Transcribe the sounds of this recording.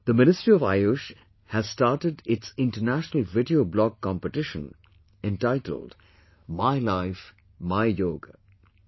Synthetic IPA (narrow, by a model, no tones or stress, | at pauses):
d̪əmɪnɪstɹiɔva̰ɪʊʃ | hæz̥staːʈəɖɪtsɪ̃nʈənæʃənəlˠvɪɖioːblɔɡkːɑ̃mpəʈɪʃə̰̃n | ɛ̃nʈaɪtʰə̰l̩d | maɪlaɪf | maɪjoːɡə